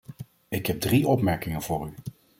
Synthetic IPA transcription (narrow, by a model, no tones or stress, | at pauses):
ɪkɦɛb̚driɔpmɛɹkɪŋənvʊːɾy